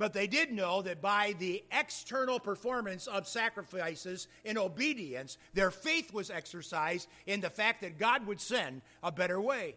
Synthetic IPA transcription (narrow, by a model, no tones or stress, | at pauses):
b̥ʌt̪̚ðeɪdɪdⁿnoʊðɨt̚b̥aɪðiɛkstʰɜ˞nl̩ˠpʰə˞fɔɹmɨ̃nsʌv̥sækɹɨfaɪsɨz | ɨ̃ñoʊbiɾiɨ̃ns | ðə˞feɪθwʌzɛksə˞saɪzd | ɨ̃nðɨfæk̚t̪̚ðɨt̚ɡ̥ɑd̚wəd̥sɛ̃nd | əbɛɾə˞weɪ